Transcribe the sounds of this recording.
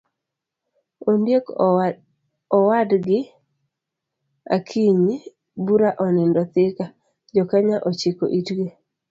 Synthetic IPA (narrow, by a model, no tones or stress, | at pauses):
ondjek | ɔwadɡɪ | a̰kʰiɲi | buɾaʔɔnɛndɔt̪ɪka | d͡ʒɔkaɲaʔɔt͡ʃiko̰ʔitɡe